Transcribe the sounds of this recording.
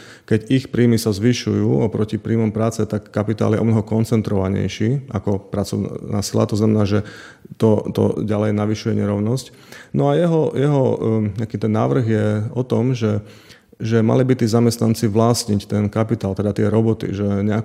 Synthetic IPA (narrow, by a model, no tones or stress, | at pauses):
kɛɟixpɾiːmisazʋiʃujuːɔpɾɔcipɾiːmɔmpɾaːt͡sɛt̪akːapit̪a̰ːljɛʔɔbmnɔɦɔkɔnt͡sɛnt̪ɾɔʋaɲɛ̰jʃiːʔakɔpɾat͡sɔ̰ʋʊna̰ːsila̰t̪ɔznamɛnaːʒɛt̪ɔt̪ɔ̰ɟalɛjnaʋiʃujɛɲɛɾɔʊnɔsc | nɔajɛɦɔjɛɦɔɲɛakiːt̪ɛnːa̰ːʋr̩ɣjɛɔt̪ɔmʒɛ | ʒɛma̰libit̪iːzamɛst̪nant͡siʋlasɲict̪ɛnkapit̪aːlt̪ɛd̪at̪ɪɛɾɔbɔt̪ḭʒɛɲɛak